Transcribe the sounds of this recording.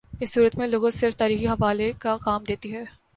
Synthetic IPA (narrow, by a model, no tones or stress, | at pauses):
ɪsːuːɾət̪mẽloːɡõsɪɾft̪aːɾiːxiɦɐʋaːlekaqaːmd̪eːt̪iɦɛː